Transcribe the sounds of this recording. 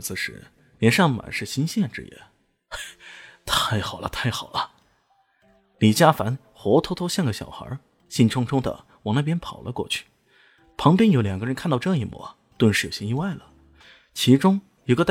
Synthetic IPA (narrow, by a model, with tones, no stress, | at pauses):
t͡sɹ̩˧ʂɻ̩̰˧˥ | ljɛ˧˥nʂɑ˥˩ŋ˨ma̰˨˩nʂɻ̩˥˩ɕi˥nɕjɛ˥˩nʈ͡ʂɻ̩̰˥˧˥jɛ̰˥˩ | t̪ʰa˥˩ɪxɑ˨˩ʊlʔə̰˦t̪ʰa˥˩ɪxɑ˨˩ʊlə˦ | li˨˩t͡ɕja˥fa˧˥n | xwɔ˧˥t̪ʰo˥ʊt̪ʰo˥ʊɕjɑ˥˩ŋɡə˩ɕjɑ̰˨˩ʊxə̰˞˧˥ | ɕi˥˩nʈ͡ʂʰʊ˥ŋʈ͡ʂʰʊ˥ŋd̪ə̰˨ | wɑ˨˩ŋna˥˩p̬jɛ˥npʰɑ˨˩ʊlʔə̰˦kwɔ̰˥˧t͡ɕʰy̥˥˩ | pʰɑ˧˥ŋp̬jɛ˥njo˧˥ʊljɑ˨˩ŋɡə˦ɻə˧˥nkʰnt̪ɑ˥˧ʊʈ͡ʂɤ˥˧ŋi˥˩mwɔ̰˧˩˦ | t̪wə˥˧nʂɻ̩˥˩o˨˩ɕjɛ˥˧i˥˧wa˥˩ɪlə˩ | t͡ɕʰi˧˥ʈ͡ʂʊ˥ŋ | i˧˥ɡə˧